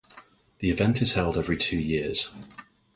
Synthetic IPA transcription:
ðiɪvɛ̃ntʰɪz̥hɛlˠdɛvɹitʰʉːjɪəz̥

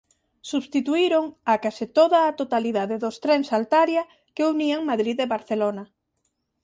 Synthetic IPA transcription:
suβst̪it̪uiɾoŋakasit̪oðaːt̪ot̪aliðaðeðost̪ɾɛŋsalt̪aɾja | keuniaŋmaðɾiðeβaɾθelona

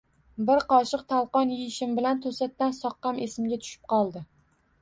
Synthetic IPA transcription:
bɪɾqɒʃɨq̚t̪ʰalˠqɒnjijɪʃɪmbɪlant̪ʰosat̪ːansɒqːɑmʔesɪmɡʲat̪ʰʊ̥ʃɪ̥p̚qʰɒlˠd̪ɪ

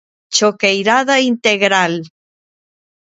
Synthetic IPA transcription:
t͡ʃokejɾaðaint̪eɣɾal

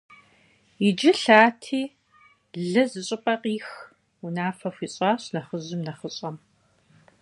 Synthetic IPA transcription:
id͡ʒɪɬaːtʰiː | ɮɨzɨɕʼɪpʼɐqʼiːx | unaːfɐfʷiːɕʼɑːɕnɐχəʑɪmnɐχəɕʼɐm

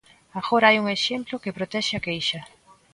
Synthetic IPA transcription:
aɣoɾaajuŋeʃemplokepɾot̪ɛʃɪakejʃɐ

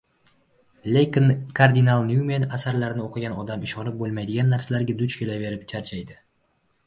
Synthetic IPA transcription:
leknkʰaɾd̪inalˠnjumenasaɾlaɾnɪoqʰɨɡʲanɒd̪amɪʃɒnɪp̚bolˠmajd̪ɪɡʲanːaɾsalaɾɡʲad̪ʊt͡ʃkʲʰelave̞ɾɪp̚t͡ʃʰaɾt͡ʃʰajd̪ɪ

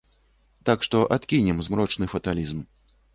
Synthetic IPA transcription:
t̪akʂt̪ɔʔat̪kʲinʲɛmzmɾɔt͡ʂnɨfɐt̪alʲizm

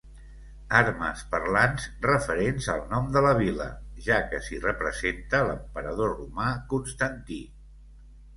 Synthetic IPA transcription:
aɾmə̰spərlanzrəfəɾenzə̰lˠnɔmd̪ələβ̞ilə̰ʒakəsirəpɾəzent̪ələmpəɾəð̞orumakunst̪ənt̪i

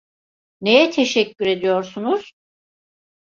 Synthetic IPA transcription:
ne̞jɛt̪ʰeʃɛcʰːyɾe̞d̪ijo̞ɾsunuz̥

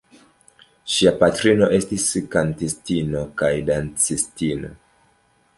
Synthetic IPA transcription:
ʃiapatɾino̞ʔe̞stiskantistino̞kajdant͡sistino̞̰

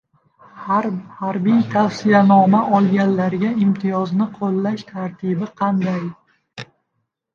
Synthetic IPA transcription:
hɾhaɾbijt̪ʰafsijanɒmaʔɒlˠɡʲanlaɾɡʲaɪmt̪ʰɪjɒznɪqʰolːaʃt̪ʰaɾt̪ʰibɪqʰɑnd̪aj

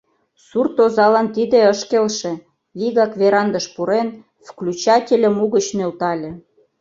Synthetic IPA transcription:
surt̪ozɑlɑnt̪id̪eəʃkelʃe | βiɣɑkveɾɑnd̪əʃpuɾen | vklʲut͡ɕɑtʲelʲə̆muɣət͡ɕnølt̪ɑlʲĕ

